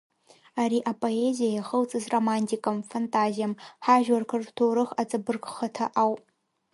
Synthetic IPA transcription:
aɾiːʔapʼoezijajaχəwt͡sʼɨzromantʰikʼɐmfantʰʼazijɐmħaʒwarkʰɨltʰuːɾɨxat͡sʼɐbɨrkʼχɐtʰɐʔawpʼ

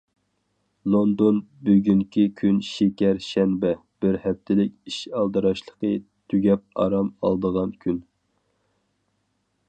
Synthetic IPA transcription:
lˠond̪onbyɡʲyŋkʲʰikʲʰynʃekʲɛɾʃɛnbɛb̥ɪɾhɛp̚t̪ʰɪlɪkʲiʃɑlˠd̪ɨɾɑʃlˠə̥qʰə | t̪ʰyɡʲɛp̚ɑ̰ɾɑmɑ̰lˠd̪əʁɑnkʲʰyn

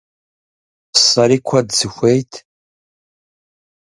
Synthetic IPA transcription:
saɾikʷʰadzɨxʷejtʰ

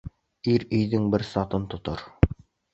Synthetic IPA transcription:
iɾɵ̆jðɘŋbɘɾsɑt̪ɤnt̪ŏt̪ɤɾ

